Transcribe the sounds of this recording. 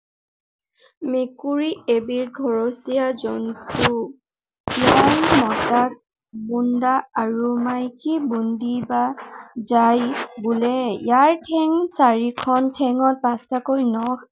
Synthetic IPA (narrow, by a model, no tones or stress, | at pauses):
mekuɹiebiɹɡʱɔɹosijazɔntu | jaɹmɔtak̚ | bundaaɹumajkibundibazajbulɛjaɹtʰɛŋsaɹikʰɔntʰɛŋɔt̚pastʰakojnɔ